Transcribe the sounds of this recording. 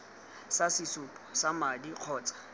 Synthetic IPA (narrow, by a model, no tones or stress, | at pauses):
sasɪsʊpʼɔ̥samadiq͡χʰɔːt͡sʼḁ